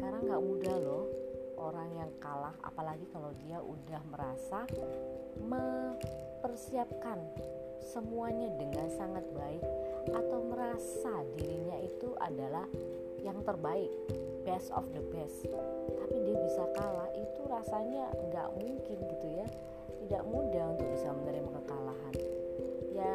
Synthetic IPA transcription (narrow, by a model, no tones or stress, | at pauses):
ə̥kaɾaŋɡaʔmudahlɔhʔoɾaŋjaŋkalaha̰palaɡikalawdiaʔṵdahməɾasa | mə | pərsiap̚kan | səmuaɲadəŋansaŋat̪̚baɪk̚ʔat̪awməɾasadiɾiɲait̪uʔa̰dalah | jaŋt̪ərbaɪk̚ | bɛsɔ̰fd̪əbɛst̪apidiabisakalahit̪uɾasaɲa̰ŋɡa̰ʔmuŋkɪnɡit̪uja | t̪ida̰ʔmudahunt̪ʊk̚bisamənəɾɪməkəkalaɦan | ja